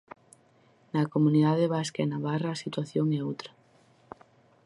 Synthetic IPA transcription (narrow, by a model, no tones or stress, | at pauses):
nakomuniðaðeβaskaɛnaβaraːsit̪waθjoŋɛowt̪ɾɐ